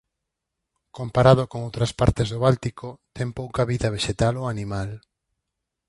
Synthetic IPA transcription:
kompaɾaðʊkoŋowt̪ɾɐspaɾt̪ezðʊβalt̪ikot̪ɛmpowkaβiðɐβ̞eʃet̪aloanimal

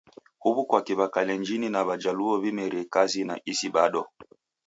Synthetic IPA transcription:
huβukwakiβakalɛnd͡ʒininaβad͡ʒaluɔβimɛɾɛkazina̰ʔisiɓaɗɔ

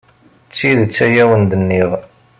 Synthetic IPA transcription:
t͡sːiðt͡sːæjæwənd̪ənːiʁ

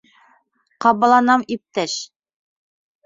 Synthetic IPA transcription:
qɑbɑ̆lˠɑnɑmip̚t̪æʃ

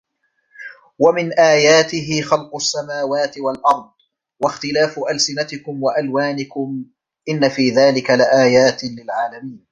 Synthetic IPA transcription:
wamɪnʔaːjaːt̪ɪɦɪxɑlqʊʔasːamaːwaːt̪ɪwalʔɑɾˤd̪̚ˤ | waxt̪ɪlaːfʊʔalsɪnat̪ɪkʊmwaʔalwaːnɪkʊm | ʔɪnːafiːðaːlɪkalɪʔaːjaːt̪lɪlʕaːlamiːn

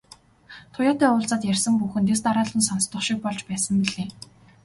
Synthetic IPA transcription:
t̪ʰʊjaːt̪æːʊːɮt͡saːt̪jærʲsə̆mpuxɘ̆nt̪̬es̬t̪aɾaːɮə̆nsanst̪ʊ̆χʃik̚pɔɮt͡ɕpæːsə̆mpiɮeː

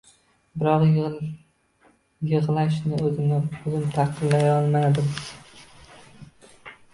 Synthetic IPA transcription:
bɪɾɒq | jɨʁlˠaʃ̬nɪɵzɪnaozɪmt̪ʰɑqʰɨnlːajɒlˠmad̪ɪm

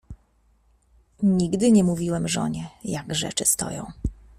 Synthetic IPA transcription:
ɲiɡd̪ɘɲɛmuvʲiwɛmʐɔ̰ɲɛjaɡʐɛ̰t͡ʂɘst̪ɔ̰jɔ̰̃w̃

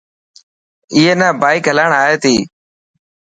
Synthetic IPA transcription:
ɪːɦeːnaːbaːɪkɦəlaːɳaːɦeːt̪iː

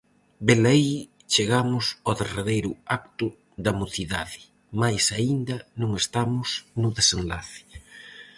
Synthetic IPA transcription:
belaj | t͡ʃeɣamʊsoðereðejɾʊakt̪ʊ | ðɐmuθiða̰ðɪ | majsaind̪ɐnõŋest̪amʊsnʊðesenlaθɪ̥

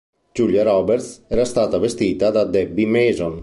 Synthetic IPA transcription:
d͡ʒuljaɾɔbeɾt̪sɛɾast̪aːt̪avest̪iːt̪ad̪ad̪ɛbːimɛːzon

